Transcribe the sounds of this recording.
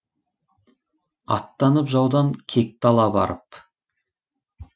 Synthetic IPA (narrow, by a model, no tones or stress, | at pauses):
ɑ̰t̪ːɑnəpʒɑwd̪ɑŋkʲʰek̚t̪ɑlˠɑbɑ̰ɾəp